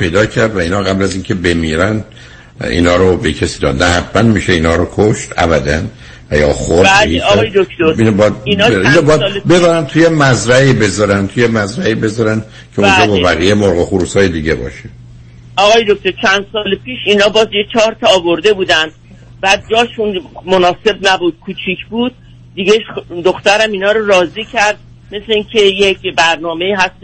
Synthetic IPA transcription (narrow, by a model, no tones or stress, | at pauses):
pʰe̞jd̪ɒːcʰæɾd̪væiːnɒːɣæblæziːncʰe̞be̞miːɾæn | ḭːnɒːɾobecʰesiːd̪ɒ̰ːd̪næhæbbænmiːʃeiːnhɒːɾokʰoʃt̪æ̰bæd̪æn | væjɒ̰ːxodeijed̪okt̪oɾiːnobɒːjæd̪̚niːnobɒːjæd̪be̞bæɾænt̪ʰujemæzɾæiːbe̞zɒːɾænt̪ʰujemæzɾæibe̞zɒːɾæn | kʲʰeoænd͡ʒɒːbɒbæɣijejmoɾɣoxuɾusɒːjed̪iːɟḛbɒ̰ːʃe | ɒːɣɒːjed̪oc̚ʰt̪o̞ɾt͡ʃʰænd̪̥sɒːlepʰiːʃiːnɒːbɒːzjet͡ʃʰɒːɾt̪ʰɒːvo̞ɾd̪e̞buːd̪ænd̪̥̚ | bæd̪̚d͡ʒɒːʃunmonɒːse̞bnæbud̪̥̚kʰuːt͡ʃʰiːcʰbuːd̪̚ | d̪iɟeʃd̪oxt̪æɾæminɒːɾoɾɒːziːcʰæɾd̪̚ | me̞sleiːŋcʲʰejecbæɾnɒːme̞iːɦæst̪